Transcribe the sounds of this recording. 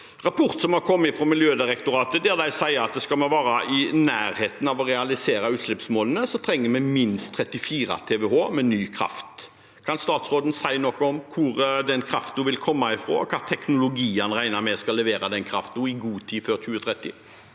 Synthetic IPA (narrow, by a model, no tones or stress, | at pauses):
ɾɑpʰʊɾt̪sɔmhɑkʰɔmːɪfɾɔːmɪljøːd̪ɪɾɛkt̪ʊɾɑːt̪əd̪ɛʁd̪æɪsæɪɑt̪̚d̪ɛskɑlmɛʋɑːɾɑʔɪnæːɾheːt̪n̩ɑʋɔɾɛɑlɪseːɾɑʉːt̪slɛpsmoːlənəsɔt̪ʰɾɛŋːəmɛmɪnst̪ʰːɾɛt̪ːɪfiːɾɑ̰t̪ʰɛːʋɛɦoːmɛnyːkʰɾɑ̰ft̪ | kʰɑnst̪ɑːt̪sɾoːd̪n̩sæɪnɔkːɔɔmkʰʊɾd̪ɛnkʰɾɑft̪̚d̪uʋɪlkʰɔmːɑɪfɾo̰ːɔkʰɑːt̪ʰɛknʊlʊɡiːɑnʁæɪnɑmɛskɑlːɛʋeːɾɑd̪ɛnkʰɾɑft̪nuːɪɡuːt̪ʰiːføːɾçʉːət̪ʰɾɛt̪ːɪ̰